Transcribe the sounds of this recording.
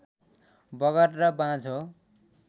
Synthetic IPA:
bʌɣʌrrʌbãd͡zɦo

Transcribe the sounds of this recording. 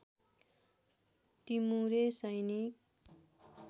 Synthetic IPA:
t̪imuɾesʌjnik

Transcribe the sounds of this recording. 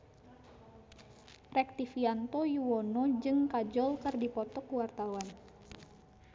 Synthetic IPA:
rɛk̚t̪ifiant̪ɔjuwɔnɔd͡ʒɨŋkad͡ʒɔlkɨrdipɔt̪ɔkuwart̪awan

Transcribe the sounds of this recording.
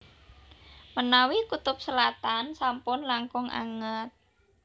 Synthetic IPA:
mənawikut̪ʊp̚səlat̪ansampʊnlaŋkʊŋʔa̰ŋət̪̚

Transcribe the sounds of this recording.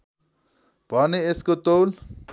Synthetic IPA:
bʱʌneeskot̪ol

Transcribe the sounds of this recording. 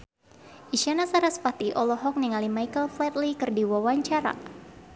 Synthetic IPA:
ʔiʃanasaɾaspat̪iʔɔlɔɦɔk̚niŋalimajkəlflɛt̪̚likɨrdiwawaɲt͡ʃaɾa̰

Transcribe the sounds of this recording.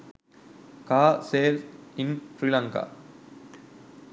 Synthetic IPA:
kaːseːlɪnfɾɪlɐŋka̰ː

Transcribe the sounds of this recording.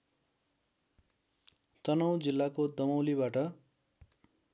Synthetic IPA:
t̪ʌnʌw̃d͡zilːakod̪ʌmʌwlibaʈʌ

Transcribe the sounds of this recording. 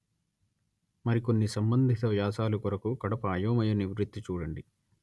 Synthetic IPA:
mɐɾiko̞nːisɐmbɐnd̪ʱit̪ɐʋjaːsaːlukɔɾɐkukɐɽɐpɐːjoːmɐjɐniʋɾit̪ːit͡ʃuːɽɐɳɖi

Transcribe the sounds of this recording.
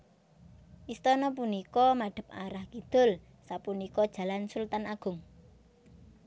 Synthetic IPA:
ʔist̪ɔnɔp̬unikɔmaɖ̥ə̤p̚a̰ɾahkid̪̥ʊ̤l | sapunikɔd̥ʒ̥ä̤lansult̪anaɡ̥ʊ̤ŋ

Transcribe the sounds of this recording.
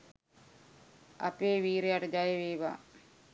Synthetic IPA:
a̰peːʋiːɾejaʈəd͡ʒajeʋeːʋa̰ː

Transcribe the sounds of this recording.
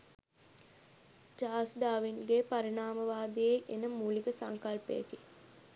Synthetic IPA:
d͡ʒaːsɖaːʋinɡepaɾinaːməʋaːd̪ieʔenəmuːlikəsaŋkɐlpḛjḛki

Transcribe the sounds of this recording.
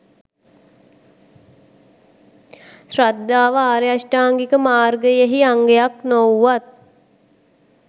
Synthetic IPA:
sɾad̪ːaːʋəaːɾejasʈaːŋɡikəmaːrɡəjeɦiaŋɡejaknowːat̪̚

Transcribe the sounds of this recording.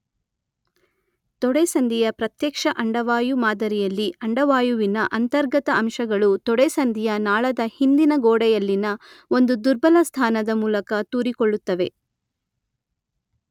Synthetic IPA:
t̪ɔɽɛsɐnd̪ʱijɐpɾɐt̪jɐkʂɐʔɐɳɖɐʋaːjumaːd̪ɐɾijɐlːiɐɳɖɐʋaːjuʋinɐʔɐnt̪ɐɾɡɐt̪ɐɐmʃɐɡɐɭut̪ɔɽɛsɐnd̪ʱijɐnaːɭɐd̪ɐhind̪inɐɡoːɽɛjɐlːinɐ | o̞nd̪ud̪uɾbɐlɐst̪ʰaːnɐd̪ɐmuːlɐkɐt̪uːɾikoɭːut̪ːɐʋe̞

